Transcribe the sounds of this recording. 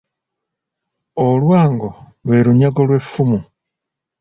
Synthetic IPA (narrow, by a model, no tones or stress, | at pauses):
olwaːŋɡo | lweɾuɲaɡolwe̞fumu